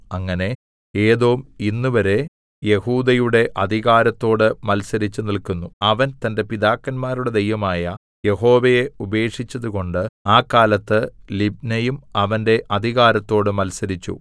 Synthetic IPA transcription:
ɐŋːɐne̞ | e̞ːðo̞ːminːuʋɐɾe̞ | je̞huːd̪ɐjuɽe̞ʔɐd̪ʱiɣaːɾɐt̪ːo̞ːɽɨmɐlsɐɾit͡ɕːunilkunːuɐʋɐnt̪ɐnde̞piðaːkːɐnmaːɾuɽe̞d̪ɐjʋɐmaːjɐ | je̞ɦo̞ːʋɐje̞ube̞ːkʂit͡ɕːɐðuko̞ɳɖɨaːkːaːlɐt̪ːɨlib̚nɐjumɐʋɐnde̞ʔɐd̪ʱiɣaːɾɐt̪ːo̞ːɽɨmɐlsɐɾit͡ɕːṵ

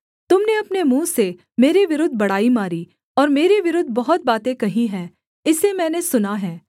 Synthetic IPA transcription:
t̪ʊmneɐpnemũːse | meːɾeʋɪɾʊd̪ʱbɐɽ̤aːimaːɾi | ɔːɾmeːɾeʋɪɾʊd̪ʱbɐɦʊt̪̚baːt̪ẽkɐɦĩɦɛ̃ː | ɪsemɛ̃ːnesʊnaɦɛ̃ː

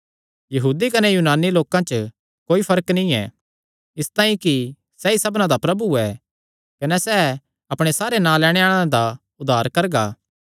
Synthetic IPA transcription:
jɐɦuːd̪ikɐnɛjuːnaːniloːkãt͡ʃə | koːipʰɐɾəknĩɛ̰ | ɪst̪aːĩki | sɛisɐbnãd̪apɾɐbuɛ | kɐnɛsɛ | ɐpɽ̃esaːɾenãːlɛːɽ̃eaːɭ̃ãd̪a | ʊd̪ʱːaːɾkɐɾɡaː

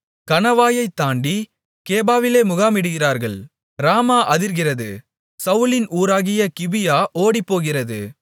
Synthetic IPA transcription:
kɐnɐʋaːjɐɪt̪ːaːɳɖi | keːbaːʋɪleːmʊɣaːmɪɽɯɣɪraːɾɣɐɭ | ɾaːmaːʔɐðɪɾɣɪrɐðɯ | sɐʋʊlɪnʔuːɾaːɣɪjɐkɪʋɪjaːʔoːɽipːoːɣɪrɐðɯ̰

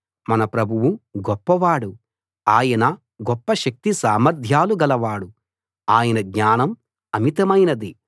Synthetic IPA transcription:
mɐnɐpɾɐbʱuʋuɡɔpːɐʋaːɽu | aːjɐnɐ | ɡɔpːɐʃɐk̚t̪isaːmɐɾd̪ʱjaːluɡɐlɐʋaːɽu | aːjɐnɐɡɲaːnɐm | ɐmit̪ɐmɐjnɐd̪i

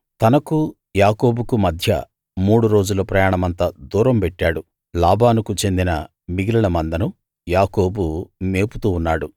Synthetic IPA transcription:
t̪ɐnɐku | jaːko̞ːbukumɐd̪ʱjɐ̰ | muːɽuɾo̞ːd͡ʒulɐpɾɐjaːɳɐmɐnt̪ɐd̪uːɾɐmpɛʈːaːɽu | laːbʱaːnukut͡ʃe̞nd̪inɐ̰ | miɡilɐɭɐmɐnd̪ɐnu | jaːko̞ːbume̞ːput̪uːnːaːɽu

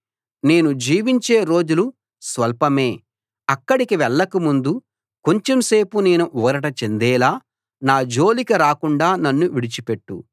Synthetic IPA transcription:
ne̞ːnud͡ʒiːʋiɲt͡ʃe̞ːɾo̞ːd͡ʒulu | sʋɐlpɐme̞ː | ɐkːɐɽikiʋɛɭːɐkumund̪u | ko̞ɲt͡ʃemse̞ːpuneːnuʔɔːɾɐʈɐt͡ʃend̪ɛːlaː | naːd͡ʒo̞ːlikɐɾaːkuɳɖaːnɐnːuʋiɽit͡ʃipeʈːṵ

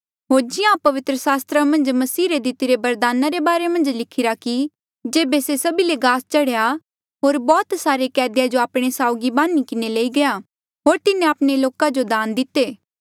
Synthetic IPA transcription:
ɦoːɾd͡ʒɪjãpɐʋɪt̪ɾəsaːst̪ɾamɐ̃nd͡ʒmɐsiːɾed̪ɪt̪ɪɾebɐɾd̪aːnaɾebaːɾemɐ̃nd͡ʒlɪkʰɪɾaki | d͡ʒeːbesesɐbileɡaːst͡ʃɐɽeja | ɦoːɾbɔːt̪saːɾekɛːd̪jad͡ʒoaːpɽ̃esaːʊɡibaːnːikɪneleːiɡɐja | ɦoːɾt̪ɪnẽaːpɽ̃eloːkad͡ʒod̪aːnd̪ɪt̪eː

